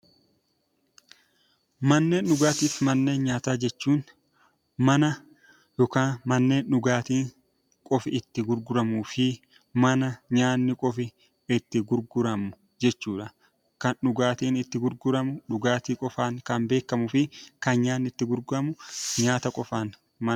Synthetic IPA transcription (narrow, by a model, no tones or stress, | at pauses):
mɐnːe̞ːnɗʊɡaːt̪iːfmɐnːe̞ːnɲaːt̪aːd͡ʒɛt͡ʃːuːn | mɐnɐ | jɔkaːnmɐnːe̞ːnᶑʊɡaːt̪iːŋ | kʼɔfɪɪt̪ːɪɡʊɾɡʊɾɐmuːfɪ | mɐnɐɲaːnːɪkʼɔfɪ | ɪt̪ːɪɡʊɾɡʊɾɐmʊ | d͡ʒɛt͡ʃːuːᶑɐ | kɐnᶑʊɡaːt̪iːnɪt̪ːɪɡʊɾɡʊɾɐmʊᶑʊɡaːt̪iːkʼɔfaːŋkɐnbe̞ːkːɐmʊfɪkɐnɲaːnːɪt̪ːɪɡʊɾɡʊɾɐmʊɲaːt̪ɐkʼɔfaːn | mɐ